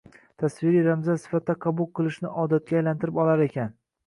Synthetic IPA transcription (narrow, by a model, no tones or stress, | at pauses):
t̪ʰasvɪɾijɾamzasɪ̥fat̪ːaqʰɑbulˠqʰɨlˠɪʃnɪʔɒd̪at̪̚kʲaːjlant̪ʰɪɾɪpɒlaɾe̞kʲʰan